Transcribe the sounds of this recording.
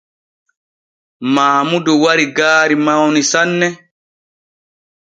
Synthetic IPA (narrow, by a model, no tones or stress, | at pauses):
maːmudɔwaɾiɡaːɾimawnisanːɛ